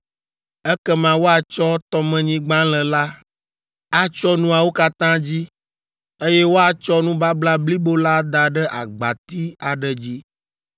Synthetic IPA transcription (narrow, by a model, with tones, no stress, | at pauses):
ɛ˦kɛ˦mã˨wo˦a˨t͡ʃɔ˦t̪ɔ˦mɛ̃˨ɲĩ˦ɡ͡bã˦lɛ˨la˦ | a˦t͡ʃɔ˦nũ˦a˨wo˦ka˦t̪ã˦d͡ʑi˦ | e˦jɛ˦wo˦a˨t͡ʃɔ˦nũ˦ba˦bla˦bli˦bo˦la˦d̪a˨ɖɛ˦ʔa˨ɡ͡ba˨t̪i˦a˨ɖɛ˨d͡ʑi˦